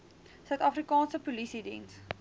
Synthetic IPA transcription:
sɐwt̪afrikɑ̃ːnsəpulisidḭ̃ːns

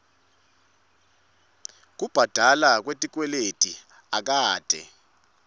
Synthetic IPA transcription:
k̬ʼub̥ʱad̥ʱalak̬wetʼik̬ʼwɛletʼi | ak̬ʼaːd̥ʱɛ̰

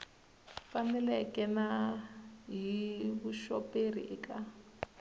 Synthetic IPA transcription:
fanɛlɛkʼɛna | ɦiβuʃɔperḭʔɛka

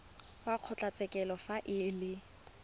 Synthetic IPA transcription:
waq͡χʰʊt͡ɬʼat͡sʼɛkʼɛlɔfaʔɪlɪ

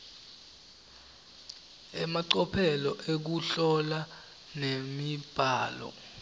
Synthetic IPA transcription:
ɛmaǀɔpʰɛlɔʔek̬uɬɔla | nemib̥ʱaːlɔ̰

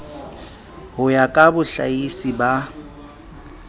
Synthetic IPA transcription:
ɦʊjakʼabʊɬa̰isiba

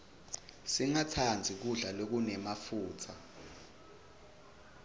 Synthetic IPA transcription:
siŋatʰand͡zʱik̬uɮalok̬unɛmafuːt͡sʰa

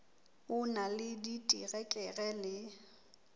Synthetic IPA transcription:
ʊnalɪditʼiɣɛkʼɛɣɛlɪ

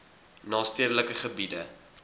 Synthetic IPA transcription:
nɑːstiəɾələkəχəbidə

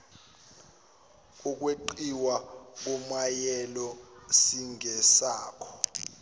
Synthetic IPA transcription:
uk̬ʼweǃiwak̬umajɛlɔsiŋʱɛsaːkʰɔ̥

